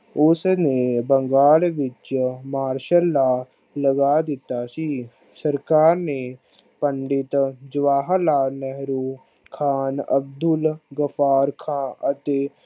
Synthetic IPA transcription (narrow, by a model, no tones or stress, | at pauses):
ʊsnebə̃ŋɡaːlʋɪt͡ʃmaːɾʃəlːa | ləɡad̪ɪt̪asi | səɾkaːɾne | pə̃ɳɖɪt̪d͡ʒʋaːɦlaːnɛɦɾoː | kʰaːnə̰b̚d̪ʊlɡəfaːɾkʰãːət̪e